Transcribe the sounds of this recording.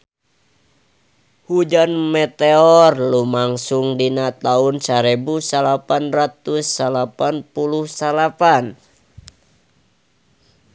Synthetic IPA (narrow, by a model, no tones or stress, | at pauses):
hud͡ʒanmɛt̪eɔrlumaŋsuŋdinat̪aunsaɾɛbusalapanrat̪usːalapanpuluhsalapan